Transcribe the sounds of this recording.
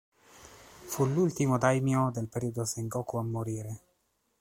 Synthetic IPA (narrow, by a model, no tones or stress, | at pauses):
fulːult̪imod̪ajmjod̪elpeɾiːod̪oseŋɡɔkuamːoɾiːɾe